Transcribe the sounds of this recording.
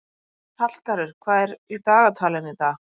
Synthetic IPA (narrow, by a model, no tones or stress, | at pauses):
t̪ʰal̥kaɾɪɾ̥kʰvaːɾit̪aːɣat̪ʰaːlɪnɪt̪a